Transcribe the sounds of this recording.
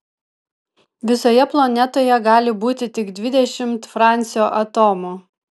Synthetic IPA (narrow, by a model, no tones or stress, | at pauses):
ʋʲɪsoːjɛplˠonʲɛt̪oːjɛɡɑːlʲɪbuːt̪ʲɪt̪ʲɪɡd̪ʲʋʲɪd̪ʲɛʃʲɪmt̪fɾɑˑnʲt̪sʲɪjoːʔɐt̪oːmuː